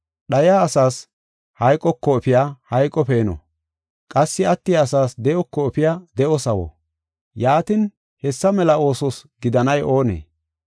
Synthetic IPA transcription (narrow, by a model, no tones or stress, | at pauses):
ɗɐjaːɐsaːs | hɐjkʼːɔkːɔɛpɪjaːhɐjkʼɔpe̞ːnɔ̰ | kʼɐsːɪɐt̪ːɪjaːsaːsd̪ɛʔɔkːɔɛpɪjaːd̪ɛʔɔsɐwɔ̰ | jaːt̪ɪn | hɛsːɐmɛlɐo̞ːsɔsɡɪd̪ɐnɐjʔo̞ːnḛː